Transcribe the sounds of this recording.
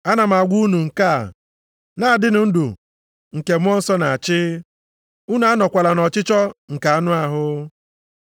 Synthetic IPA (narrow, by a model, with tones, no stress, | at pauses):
a˦na˨m̩˨a˨ɡʷu˦nu˨ŋ̩˨ka̰˦˨ | na˦a˨dɪ˦nʊ˨n̩˦dṵ˨ | ŋ̩˨ke˨m˦ɔ˦n̩˦sɔ˦na˨a˨t͡ʃɪ˦ | u˦nu˨˦a˦nɔ˨kʷa˨la˨nɔ˨t͡ʃɪ˦t͡ʃɔ˦ŋ̩˨ka˨a˦nʊ˦a˦ɦʊ˦